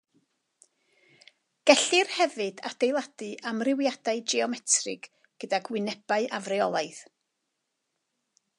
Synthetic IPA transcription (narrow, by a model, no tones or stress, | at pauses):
ɡ̥ɛɬɨrhɛvɨdad̥ejlˠad̥ɨʔamrɪwjad̥aɨd͡ʒɛɔmɛtʰrɨ̰ɡ̥ | ɡ̥ədaɡwɪnɛb̥aɨʔavrɛɔlˠaɨð